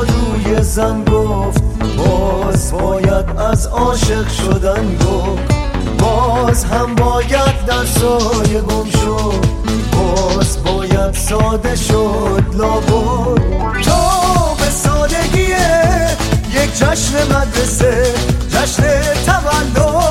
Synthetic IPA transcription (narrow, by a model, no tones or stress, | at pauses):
ɾuːjezænɡo | ft̪ | bɔː | zbɒːjæd̪æzɒːʃe̞ʁʃod̪ænɡo | ft̪ | bɒːzɦæmbɒːjæd̪̚d̪æɾsɒːjeɡomʃo | d̪ | bɒːzbɒːjæd̪sɒːd̪e̞ʃo | d̪lɒːbo | d̪ | t̪ʰobe̞sɒːd̪e̞ɡʲije | jekʰd͡ʒæʃne̞mæd̪ɾese̞ | d͡ʒæʃnet̪ʰævælːo